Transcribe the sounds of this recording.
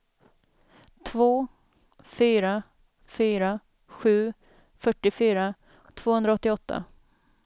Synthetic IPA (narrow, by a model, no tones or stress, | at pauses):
t̪ʰvoː | fyːɾa | fyːɾa | ɧʉ̟ː | fœʈːɪfyːɾa | t̪ʰv̥oːhɵnd̪ɾaɔt̪ːɪɔt̪ʰːa̰